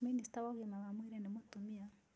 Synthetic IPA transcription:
ministawahimaβamwiːɾenimutumia

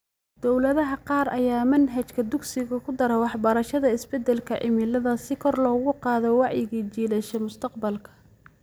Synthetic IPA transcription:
d̪̥ɔwlɐðɐɦɐqɑːɾɐjaːmɐnɦɐt͡ʃkʰɐd̪ʊɡsɪɣɐkʰʊd̪ɐɾɛwɑħbɐɾɐʃɐðɐɪsbɛd̪ɛlkʰɐʕɪ̰mɪlɐðɐsɪkʰɔrlɔːɣʊqɑːðɔwɑʕjɪɣiːt͡ʃiːlɐʃɛmʊst̪ʰɐqbɐlkʰɐ̥

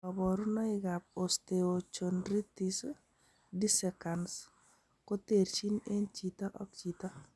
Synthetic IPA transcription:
ɔbɔɾunɔɪɡap̚osteot͡ʃonɾitis | disɛkans | kɔt̪eɾt͡ʃinent͡ʃit̪aʔɔk̚t͡ʃit̪a

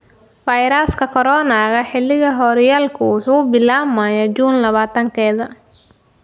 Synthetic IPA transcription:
fɐjɾaːskʰɐkʰɔɾɔːnaːɣɐħɪlːɪɣɐɦɔːɾjaːlkʰʊwʊħuːbɪlaːmɐjat͡ʃuːnlɐβaːt̪ʰɐŋkʰɛːðɐ

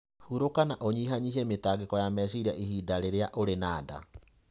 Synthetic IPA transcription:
huɾokanaʔoɲiɦaɲiɦemetaɡekɔjamɛs̬iɾiaʔihidaɾeɾeaʔoɾenaːda̰

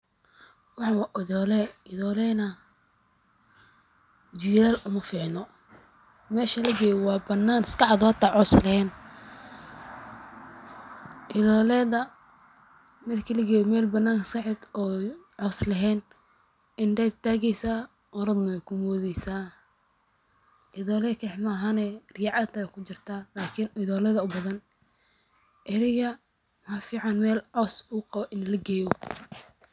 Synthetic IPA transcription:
wɑħɑwɑʔɪðɔːlɛɪðɔːlɛːnɐ | d͡ʒiɾaːlʊmɐfɪːʕnɔ | mɛːʃɐlɐɡɛːjwɑːbɐnːaːnɪskɑʕɑðʊhɐt̪ʰːaʕɔslɐhɛːn | ʔɪðɔːlɛːðɐ | mɐd̪kʰɐlɐɡɛːjmɛːlbɐnːaːŋsɑʕɪd̪ɔːʕɔːslɐɦɛːn | ʔɪnd̪ɛːd̪t̪ʰaːɣɛjsaː | ɔɾɐd̪nɐwɛjkʰʊmɔːðɛjsaː | ʔɪðɔːlɛkʰħmɐɦanɛːrɪjʕɑd̪t̪ʰɐɛkʰʊt͡ʃɪrt̪ʰaːlaːkʰɪnɪðɔːlɛðɐʊbɐðɐn | ʔɪɾɪɣɐ | mɐfiːʕɑnmɛːlʕɔsʊqɑβɔʔɪnlɐɡɛːjɔ

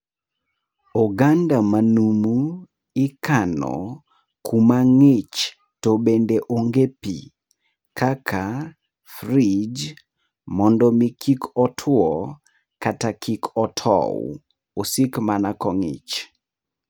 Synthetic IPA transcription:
ɔɡandamanumu | ɪkanɔ̰ | kʰumaŋɪt͡ʃ | tɔbendeʔoŋɡepḭ | kʰakʰa | frid͡ʒ | mɔndɔmikʰikʰɔtʰwɔ | katakʰikʰɔtʰɔ̰w | osikmanakɔŋɪ̰t͡ʃ

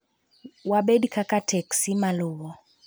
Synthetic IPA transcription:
waɓedikʰakatʰɛksimaluɣɔ

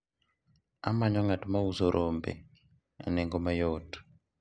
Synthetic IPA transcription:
amaɲɔŋatmauzoɾʔombḛ | a̰nɛŋɡomajot

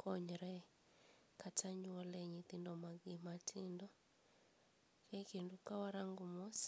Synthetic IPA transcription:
kʰɔɲɾɛ | kataɲuɔlɛɲit̪indɔmaɡimatʰindɔ | kɛkindukawaɾaŋɡumɔs

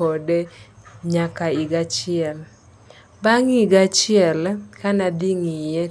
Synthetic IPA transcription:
odeɲakaiɡat͡ʃɪɛl | baŋiɡat͡ʃɪɛlkanad̪iŋije

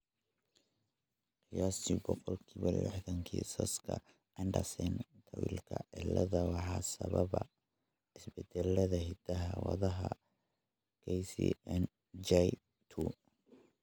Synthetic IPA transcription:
qɪjaːsibɔqɔlkʰiːβɐlɪ̰ħðɐŋkʰiːsɐskʰɐ̰ | ʔɛndɐsɛnt̪ʰɐwḭːlkʰɐʕɪlːɐðɐwɑħɑːsɐβɐβɐ | ɪsbɛd̪ɛlːɐðɐɦɪd̪ɐɦɐwɑðɐɦɐ | kʰɛjsḭɛn | d͡ʒɛj | t̪ʰu

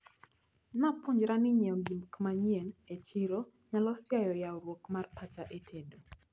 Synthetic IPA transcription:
napʊɲd͡ʒɾanɪɲɛŋɡimkmaɲienet͡ʃiɾo | ɲalɔsjajɔjaɔɾwokmarpat͡ʃaʔetʰedo

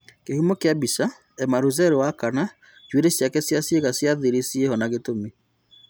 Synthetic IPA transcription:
kehumɔkeabisa | ɛmaɾuzɛɾewakana | t͡ʃweɾesjakɛsjaseɣasjaðiɾesiehɔnaɣetome

